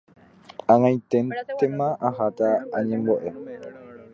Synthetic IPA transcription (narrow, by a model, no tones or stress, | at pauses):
aŋãĩtɛnt̪ɛmãʔaɦat̪aːɲɛ̃mbɔʔɛ